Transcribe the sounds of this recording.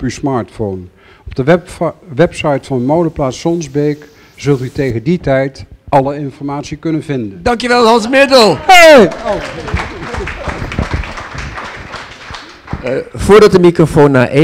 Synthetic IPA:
pysmɑːɹtfown | ɔb̚dəʋɛpsɑjtfɑnəmowdəplaːtsɔnzbejk | z̥ɵlˠtytejχənditɛjtɑləɪnfɔɹmaːtsikɵnənvɪndəndɑŋkjəʋɛlˠɦɑnsmɪdəlˠheo | v̥ʊːɹdɑt̚dəmikrofownːa̰ːʔe

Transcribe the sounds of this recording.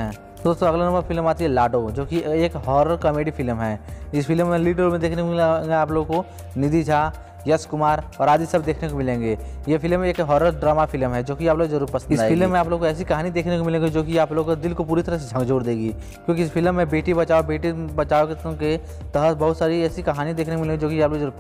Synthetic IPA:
ɛ | d̪oːst̪õɐɡlanɐ̃mbəɾfʰɪlmaːt̪iɦɛlaːʈod͡ʒoːkieːkɦɔːɾəɾkəmeːɖifɪlmɦɛːɪsfʰɪlmːẽliːʈəɾmẽd̪eːkʰnekoɪeaːploːɡko | nɪd̪id͡ʒʱaː | jɐskʊmaːɾɔːɾaːd̪isɐbd̪eːkʰnekomɪlẽːŋɡeːjefʰɪlmːẽeːkɦɔːɾəɾɖɾaːmafʰɪlmɦɛd͡ʒoːkiaːploːɡzɐɾuːɾpɐsənɪaːjpɪlmːẽaːp̬loːɡkoɛːs̬ikɐɦaːnid̪eːkʰnekomɪlẽːɡed͡ʒoːkiaːploːɡkod̪ɪlkopuːɾit̪ɐɾəsed͡ʒʱə̃ŋɡd͡ʒoːɾd̪eːɡiː | kjõːk̬iɪs̬pʰɪlmːẽbeːʈibɐt͡ʃaːobeːʈibɐt͡ʃaːokeke | t̪əɦət̪bɐɦʊt̪saːɾiɛːsikɐɦaːnid̪eːkʰnekomɪlẽːɡed͡ʒoːkijaːploɡɐɾuːɾ

